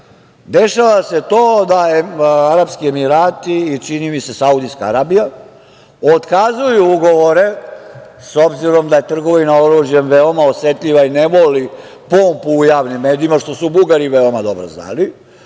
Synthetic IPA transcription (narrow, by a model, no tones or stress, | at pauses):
d̪e̞ʃaʋase̞t̪oːd̪aaɾabskie̞miɾaːt̪iːt͡ʃinimise̞saud̪iskaa̰ɾaːbija | ot̪kazujuuɡo̞ʋo̞ɾe̞ | so̞bziɾo̞md̪aje̞t̪r̩ɡo̞ʋinao̞ɾuːʒjemʋeo̞mao̞sʋe̞t̪ʎʲiʋainemoli | pompuːjaːʋnimːe̞ːd̪iimaʃt̪o̞subuɡaɾiʋeomad̪o̞bɾo̰zna̰ːli